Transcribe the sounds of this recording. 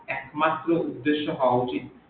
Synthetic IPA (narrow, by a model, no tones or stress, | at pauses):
ɛkmat̪ːɾoud̪ːeʃːoɦɔaut͡ʃit̪